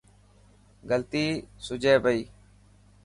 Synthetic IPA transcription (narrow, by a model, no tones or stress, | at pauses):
ɡəlt̪iːsʊd͡ʒeːbəiː